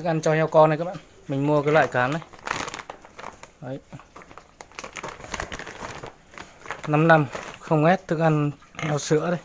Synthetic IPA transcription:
ɨ˦˥k̚ʔa˧nt͡ɕɔ˧hɛ˧wkɔ˧na˧jkaː˦˥ɓa̰ː˧˨n | mi˨˩ŋ̟mu˧əkəː˧˦la̰ː˧˨jkaː˨˦nːa˧˦j | əː˨˦j | na˧mna˧mxə˧wŋ͡mŋɛ˦˥t̪̚t̪ʰːɨ˦˥k̚ʔa˧nhɛ˧wsɨ˧˥ət̪a˧j

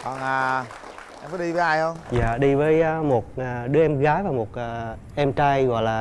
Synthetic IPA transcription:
kɔ˨˩nʔaː˨˩ | ʔɛ˧mfaː˨˦jɗi˧vəː˨˦jʔa˧jhə˧wŋ͡mza̰ː˧˨ɗi˧vəː˨˦jmo˨˩t̚ʔa˨˩ɗɨ˨˦əʔɛ˧mɣaː˨˦jvaː˨˩mo˨˩t̚ʔaː˨˩ʔɛ˧mt͡ɕa˧jɣɔ̰˧˨jlaː˨˩

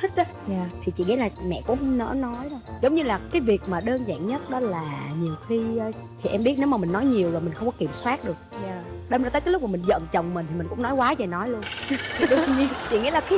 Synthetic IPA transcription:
i˦˥˦ | jaː˨˩t̪ʰi˨˩t͡ɕḭ˧˨ŋḭ˧˥laː˨˩mɛ̰˧˨kʊ̰˧˥ŋ͡mnə̰ː˧˥nɔ˨˦jɗɔ˧zə˨˦wŋ͡mɲɨ˧laː˨˩kaː˨˦jvi˨˩ək̚maː˨˩ɗəː˧nza̰ː˧˨ŋɲə˦˥t̚ɗɔ˨˦laː˨˩ɲi˨˩əwxiː˧˨˧ | t̪ʰi˨˩ʔɛ˧mɓi˦˥ət̚ne˨˦wmaː˨˩mï˨˩ŋ̟nɔ˨˦jɲi˨˩əwzɔ˨˩jmï̟˨˩xə˧wŋ͡mkɔ˨˦ki˧˩əmswaː˦˥t̚ɗɨ˨˩ək̚jaː˨˩ɗə˧mzaː˧t̪əː˦˥kːlʊ˦˥k͡p̚maː˨˩mi˨˩ŋ̟zə̰˧˨nt͡ɕə˨˩wŋ͡mmï̟˨˩t̪ʰi˨˩mi˨˩ŋ̟kʊ̰˧˥ŋ͡mnɔ˨˦jkwaː˨˦za˨˩nɔ˨˦jlu˧ənt̪ʰi˩ɗʊ˨˩˨ŋ͡mɲi˧ənt͡ɕḭ˧˨ŋḭ˧˥laː˨˩ki˧˨˦

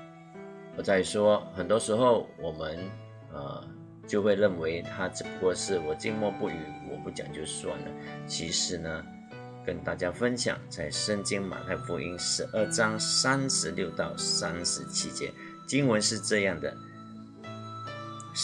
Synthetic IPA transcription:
wɔ˨˩t͡sa˥˩ɪʂwɔ˥xə˨˩nt̪wɔ˥ʂɻ̩˧˥xo˥˩ʊwɔ˨˩mə˦n | ə̰˩ | t͡ɕjo˥˧ʊxwe˥˧ɪɻə˥˩nwe˧˥ɪt̪ʰa˥ʈ͡ʂə˨˩pu˧˩˥kwɔ˥˧ʂɻ̩˥˩wɔ˨˩t͡ɕi˥˧ŋmwɔ˥˧pu˥˩y˧˨˥wɔ˨˩pu˥˩t͡ɕjɑ̰˨˩ŋt͡ɕjo˥˧ʊswa̰˥˩nlə̰˩t͡ɕʰi˧˥ʂɻ̩˨˧˩nə˧ | kə˥nt̪a˥˩t͡ɕja˥fə˥nɕjɑ̰˨˩ŋt͡sa˥˩ɪʂə˥˧ŋt͡ɕi˥ŋma̰˨˩t̪ʰa˥˩ɪfu˧˥i˥nʂɻ̩˧˥ʔə˥˩ʈ͡ʂɑ˥ŋsa˥nʂɻ̩˧˥ljo˥˧ʊt̪ɑ˥˩ʊsa˥nʂɻ̩˧˥t͡ɕʰi˥t͡ɕjɛ̰˥ | t͡ɕi˥ŋwə˧˥nʂɻ̩˥˧ʈ͡ʂɤ˥˧jɑ˥˩ŋd̪ə̰˩

